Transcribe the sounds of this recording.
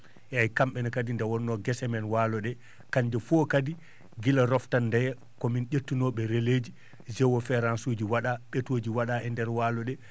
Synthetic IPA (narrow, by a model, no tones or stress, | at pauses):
jajkamɓɛnakadindawɔnːɔɡɛsɛmɛnwaːlɔɗɛ | kaɲd͡ʒɛfɔkadi | ɡilaɾɔftanːdɛjɛ | kɔminʔetːunɔɓɛɾeleːd͡ʒi | d͡ʒɛwɔfɛɾansud͡ʒiwaɗaɓetoːd͡ʒiwaɗaɛndɛɾwaːlɔɗɛ